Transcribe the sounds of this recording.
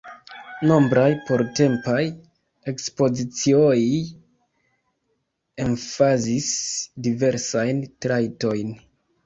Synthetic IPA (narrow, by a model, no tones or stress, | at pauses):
no̞mbɾajpo̞ɾte̞mpaj | e̞kspo̞zit͡sioi | enfazisdive̞ɾsajntɾajto̞jn